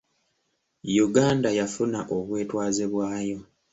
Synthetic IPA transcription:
juɡaːndajafunaʔo̞βwe̞ːtwaːziβwaːjo̞

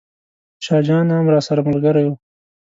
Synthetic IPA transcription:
ʃɑːd͡ʒɑnhamɾɑːsaɾamalɡaɾaju

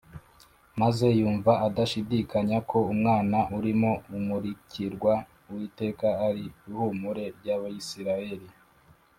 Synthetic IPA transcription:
maze̞juːɱvaadaʃidikaɲakʰo̞umŋaːnaʔuɾimo̞umuɾiciɾɡwa | wiːte̞ːkaːɾihumuɾe̞ɾɟaβajisiɾaje̞ɾi

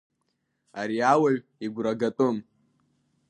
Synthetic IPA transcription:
aɾiawaɥ | iɡʷɾaɡatʼom

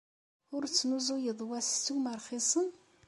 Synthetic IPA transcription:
ʊɾt͡sːnuzujəðˤwæst͡sːuməɾˤχisˤən

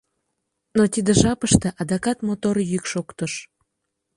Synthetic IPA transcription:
not̪id̪əʒɑpəʃt̪eʔɑd̪ɑkɑt̪mot̪orjykʃokt̪əʃ

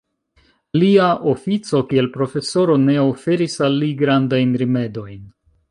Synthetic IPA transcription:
liaʔo̞fit͡so̞kie̞lpɾo̞fe̞so̞ɾo̞ne̞ofe̞ɾisalːiɡɾandajnɾime̞do̞jn

